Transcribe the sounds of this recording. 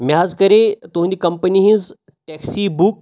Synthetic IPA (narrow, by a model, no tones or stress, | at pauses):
mjad͡zkəɾet̪oɦũnd̪ikəmpəniɦĩz | ʈɛksibuk̚